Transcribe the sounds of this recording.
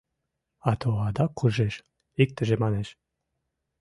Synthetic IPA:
ɑt̪oɑd̪ɑkʰːuʒeʃ | ik̚t̪əʒemɑneʃ

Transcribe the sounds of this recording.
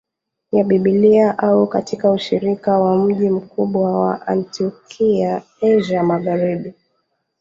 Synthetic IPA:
jaɓiɓiliaʔaukatikauʃiɾikawam̩ʄim̩kuɓwawa̰ʔa̰ntiɔkʰia | ɛʒamaɣaɾiɓi

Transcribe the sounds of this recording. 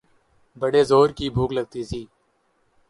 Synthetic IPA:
bəɽeːzoːɾkiːbʱuːkləɡ̚t̪iːsiː

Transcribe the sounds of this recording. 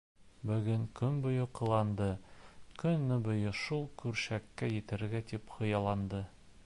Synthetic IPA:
bɵ̆ɡɵŋkɵnbŏjŏqɤ̆lˠɑnd̪ɤkɵnːɘbŏjɤʃulˠkʉɾɕækːæjɘ̆t̪ɘ̆ɾɡæt̪ipχɤ̆jɑlˠɑnd̪ɤ

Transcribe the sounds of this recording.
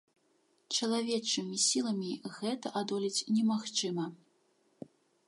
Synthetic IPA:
t͡ʂɐlˠavʲɛt͡ʂɨmʲisʲilˠɐmʲiɣɛt̪ɐʔad̪ɔlʲit͡sʲnʲɛmaxt͡ʂɨmɐ

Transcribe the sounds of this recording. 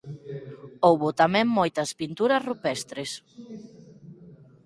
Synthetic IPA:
owβʊt̪amɛ̃ŋmojt̪ɐspint̪uɾɐsrupɛst̪ɾes

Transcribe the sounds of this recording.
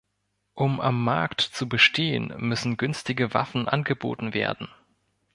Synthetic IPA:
ʔʊma̰mːaɐktt͡subəʃtʰeːə̰nmʏsn̩ɡʏnstɪɡəva̰fn̩ʔa̰nɡəbo̰ːtn̩vḛːɐdn̩

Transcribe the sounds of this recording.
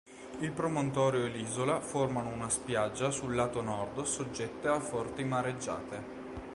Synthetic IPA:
ilpɾomont̪ɔːɾjoeliːzolaformanounaspjad͡ʒːasulːaːt̪onɔrd̪sod͡ʒːɛt̪ːeafɔrt̪imaɾed͡ʒːa̰ːt̪e

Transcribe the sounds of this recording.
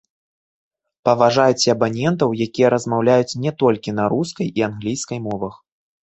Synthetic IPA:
pɐvaʐajut͡sʲɐbanʲɛnt̪ɐwjakʲijɛɾɐzmawlʲajut͡sʲnʲɛt̪ɔlʲkʲinɐɾuskɐjianɣlʲijskɐjmɔvɐx

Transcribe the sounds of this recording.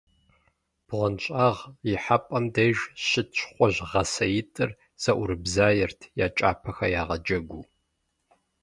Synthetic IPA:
b̥ʁɐnɕʼaːʁjɪħapʼɐmdejʒɕɪtɕʷʰʼχʷɔʑʁɐsɐjɪtʼɨr | z̥ɐʔʷʊɾɨbzaːjɪrtʰjaːt͡ʃʼa̰ːpʰɐxɐjaːʁɐd͡ʒɐɡʷuː

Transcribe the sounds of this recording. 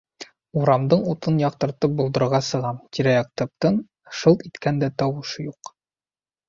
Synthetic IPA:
uɾɑmd̪ɤɴut̪ɤnjɒqt̪ɤ̆ɾt̪ɤp̚bulˠd̪ɤ̆ɾɾʁɑsɤ̆ʁɑmt̪ʲiɾæjɑq̚t̪ɤ̆p̚t̪ɤn | ʃɤlˠt̪it̪kænd̪æt̪ɒwɤ̆ʃɤjuq

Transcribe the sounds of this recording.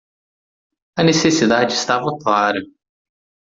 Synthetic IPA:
ɐnesesid̪ad͡ʒɪst̪avɐklaɾɐ

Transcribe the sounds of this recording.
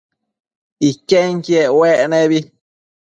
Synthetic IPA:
ikeŋkieʔweʔnẽβi

